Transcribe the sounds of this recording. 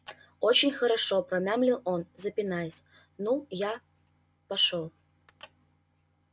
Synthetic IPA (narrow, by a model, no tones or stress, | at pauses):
ot͡ɕɪnʲxɐɾɐʂopɾɐmʲamlʲilˠonzɐpʲɪnajəsʲ | nuja | pɐʂolˠ